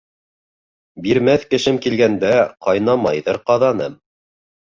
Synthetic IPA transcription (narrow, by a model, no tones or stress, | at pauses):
biɾmæθkɘ̆ʃɘmkilɡænd̪æqɑjnɑmɑ̰jðɤɾqɑðɑnɤm